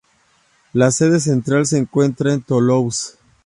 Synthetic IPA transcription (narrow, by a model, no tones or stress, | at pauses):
laseðes̬e̞nt̪ɾals̬eːŋkwe̞nt̪ɾaent̪olows